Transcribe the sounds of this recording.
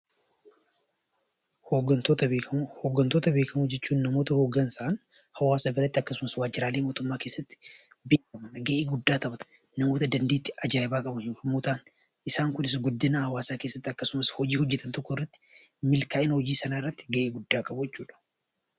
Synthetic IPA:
hoːɡɐnt̪ot̪ɐhoːɡːɐnt̪oːt̪ɐbe̞ːkɐmud͡ʒɛt͡ʃːuːnːɐmoːt̪ɐhoːɡːɐnsaʔɐn | hɐwaːsabɪɾɐt̪ːɪɐkːɐsʊmɐswaːd͡ʒːɪɾaːleːmoːt̪ʊmːaːkeːsːɐt̪ːɪ̥ | beːkɐmɐnɡɐʔeːɡʊd̪ːaːt̪ɐbɐt̪ | nɐmo̞ːt̪ɐd̪ɐnd̪eːt̪ːɪɐd͡ʒabaːkʼɐbɐnmoːt̪aːn | ʔɪsaːŋkʊnɪs̬ɡʊd̪ːɪnahɐwaːsaːke̞ːsːɐt̪ːɪɐkːɐsʊmɐshɔd͡ʒiːhɔd͡ʒːɛt̪ɐnt̪ɔkːɔɪrːɐt̪ːɪ̥ | mɪlkaːʔɪnhɔd͡ʒiːsɐnaːɪrːɐt̪ːɪ̥ɡɐʔeːɡʊd̪ːaːkʼɐbʊjɛt͡ʃːuːᶑɐ̥

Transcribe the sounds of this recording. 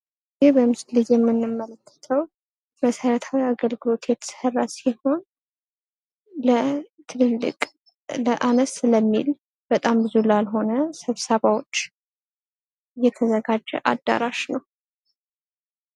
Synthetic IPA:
jɪhbəmɨslɨzjɛmːɨnːɨmːələkʰːə̥t̪ʰəw | məsəɾət̪ʰawiaɡəlɡɨlo̞t̪jɛt̪ʰə̥sərːasiho̞n | lət̪ʰɨɨlːɨ̰kʼ | ləʔanəsləmːḭl | b̥ət̪ʼambɨzulalɦo̞nəsəβsəβawot͡ʃː | ɨjːɛt̪ʰəzəɡad͡ʒːɛ̰ʔa̰d̪ːa̰ɾaʃnəw

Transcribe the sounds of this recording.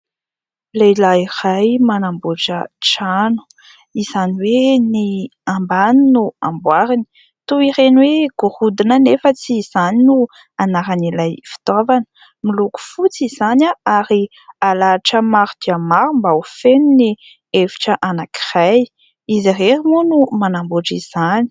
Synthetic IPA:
lejlairajmanambuʈ͡ʂə̰ʈ͡ʂanu̥ | iz̥aniweniambaninuambwaɾini̥ | t̪uiɾenweɡ̥uɾud̪inənefət͡siz̥aninu | anaɾanilajfi̥t̪avanə̥ | miluku̥fut͡siz̥anaaɾi | alaʈ͡ʂəmaɾud̪̥iamaɾumbaufenini | evi̥ʈ͡ʂəʔanaki̥raj | izireɾimunumanamboʈ͡ʂiz̥ani̥

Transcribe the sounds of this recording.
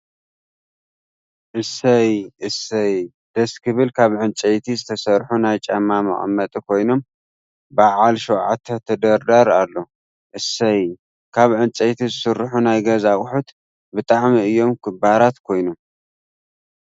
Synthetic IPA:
ʔɨsɐjʔɨsɐj | d̪̥ɐskʰɨβɨlkʰaβʕɨnt͡sʼejt̪ʰizɨt̪ʰɐsɐɾħunajt͡ʃʼɐmːamɐ̰χʼmːɐt̪ʼikʰo̞jno̞m | baʕalʃɛwʕat̪ʰːɐt̪ʰɐd̪ɐɾd̪aɾalːo̞ | ʔɨsɐj | kʰaβʕɨnt͡ʃʼejt̪ʰizɨsɨrħunajɡɐzawʼħut̪ | bɨt̪ʼaʕmiɨjːo̞mkʰɨbaɾat̪kʰo̞jnom

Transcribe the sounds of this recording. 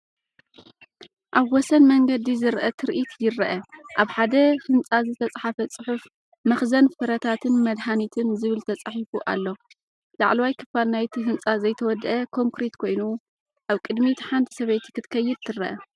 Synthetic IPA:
ʔaβwɔsɐnmɐŋɡɐd̪izɨɾʔɐt̪ʰɨɾʔit̪jɪɾɐʔɐʔaβħad̪ɐhɨnt͡sʼazɨt̪ʰɐt͡sʼħafɐt͡sʼɨħuf | mɐxzɐnfɨɾɐt̪ʰat̪ʰɨnmɐd̪ħanit̪ʰɨnzɨβɨlt̪ʰɐt͡sʼaħifuʔa̰lːo̞ | laʕlɐwajkʰɨfalnajt̪ʰiɦɨnt͡sʼazɐjt̪ʰɐwɔd̪ɐʔɐkʰo̞ŋkɾet̪kʰo̞jnu | ʔaβkʼɨd̪mit̪ʰħant̪ʰi̥sɐβejt̪kɨt̪kʰɐjːɪd̪̚t̪ʰɨɾɐʔɐ

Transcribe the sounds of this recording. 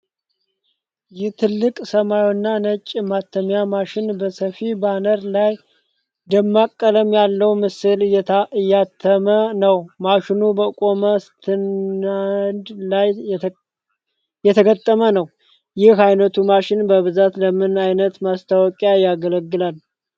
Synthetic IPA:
jɪht̪ʰɨlːɨkʼsəmawnːanət͡ʃʼːmat̪ʰːəmjamaʃɪnbəsəfibanəɾlaj | d̪əmːakʼːələmjalːəwmɨsɨlɨjːat̪ʰːəmənəwmaʃɪnubəkʼo̞məst̪ʰɨnand̪laj | jɛt̪ʰəɡət̪ʼːəmənəw | jɪhajnət̪ʰumaʃɪnbəβɨzat̪ləmɨnajnət̪mast̪ʰawɔkʼjajaɡələɡːɨlal

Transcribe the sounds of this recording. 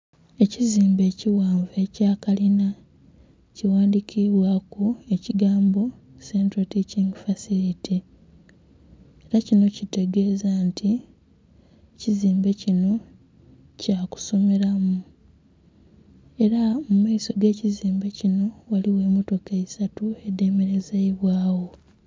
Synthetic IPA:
e̞ciziːmbe̞ːciwaːɱve̞caːkalina | ciwaːndikʰiβwakue̞ciɡaːmbo̞ | sentoticiŋɡfasiɾiti | eɾacino̞cite̞ɡe̞ːzantʰi | ciziːmbe̞cino̞ | caːku̥so̞me̞ɾamu | e̞ɾamumaiso̞ɡe̞ːciziːmbe̞cino̞waliwe̞ːmoto̞kaisatue̞de̞ːme̞ɾe̞zeiβwaːwo̞

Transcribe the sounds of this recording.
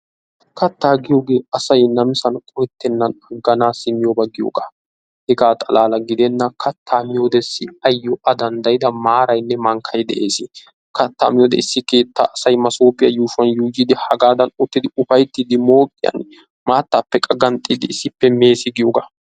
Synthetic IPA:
kɐt̪ːaːɡɪjoːɡe̞ːɐsɐjnɐmɪsɐnkʼɔjɛt̪ːɛnːɐnɐɡːɐnaːsɪmɪjobɐɡɪjo̰ːɡaː | hɛɡaːt̪ʼɐlaːlɐɡɪd̪ɛnːɐkʰɐt̪ʰːaːmɪjod̪ɛsːɪɐjːɔʔɐd̪ɐnd̪ɐjɪd̪ɐmaːɾɐjnːɛmɐŋkʰɐjd̪ɛ̰ʔe̞ːsɪ | kɐt̪ːa̰ːmɪjod̪ɛ̰ɪsːɪke̞ːt̪ːa̰ːʔɐsɐjmɐsoːpʼɪjɐjuːʃwɐnjuːd͡ʒid̪ɪhɐɡaːd̪ɐnʊt̪ːɪd̪ɪʊfɐjt̪ːiːd̪ɪmo̞ːkʼːɪjɐ̰n | maːt̪ːaːpːɛkʼɐɡɐnt̪ʼːiːd̪ɪɪsːɪpːɛme̞ːsɪɡɪjoːɡaː

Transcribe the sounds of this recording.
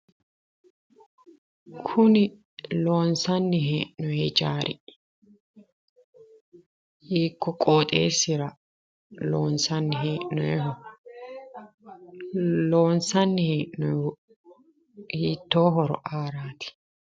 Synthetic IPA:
kʰʊnɪ | loːnsɐnːɪɦeːʔnɔjed͡ʒaːɾʔɪ̰ | iːkːɔkʼoːt̪ʼḛːsːɪɾɐ | loːnsɐnːɪɦeːʔnɔɛ | loːnsɐnːɪheːʔnɔ | hiːt̪ːoːɦɔɾɔ̰ʔaːɾaːt̪ɪ̥

